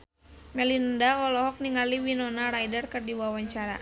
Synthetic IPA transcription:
mɛlinəndaɔlɔɦɔk̚niŋaliwinɔnarajdarkɨrdiwawaɲt͡ʃaɾa̰

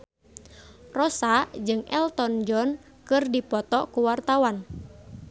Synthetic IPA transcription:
rɔsad͡ʒɨŋʔɛlt̪ɔnd͡ʒɔn | kɨrdipɔt̪ɔkuwart̪awan

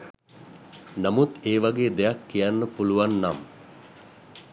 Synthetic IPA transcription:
namut̪eːʋaɡeːd̪ejakːijanːəpuluʋanːam

